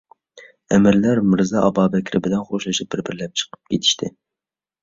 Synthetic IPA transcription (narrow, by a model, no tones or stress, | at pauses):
ɛmɪɾlæɾmɨɾzɑʔɑbɑːbɛkʲʰɾɪbɪlɛnχoʃˠɨʃip̚bɪɾbɪɾlɛp̚t͡ʃʰə̥qʰə̥p̚kʲet̪ʰi̥ʃt̪ʰɪ